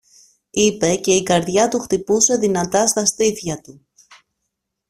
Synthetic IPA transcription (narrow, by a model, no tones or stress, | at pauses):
ipe̞ce̞ikɐɾðʝɐt̪uxt̪ipuse̞ðinɐt̪ɐst̪ɐst̪iθçɐt̪u